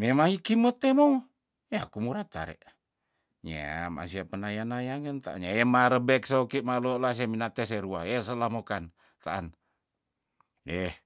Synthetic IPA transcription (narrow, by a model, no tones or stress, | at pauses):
memaŋikimət̪emo | eakumuɾat̪a̰ɾɛ̰ʔ | ɲḛa̰ma̰siapənajanajaŋənt̪aa̰nɲaemaɾəbɛksaokiʔmaloʔlas̬aminat̪ɛs̬eɾua̰es̬əlahmokan | t̪aʔan | ɛh